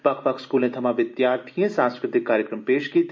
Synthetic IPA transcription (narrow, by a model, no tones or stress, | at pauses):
pɐkʰpɐkʰskuːlẽt̪ʰɐmãʋɪd̪jaːɾt̪ʰijẽsãːnskɾɪt̪ʰɪkːaːɾjəkɾəmpeːʃkiːt̪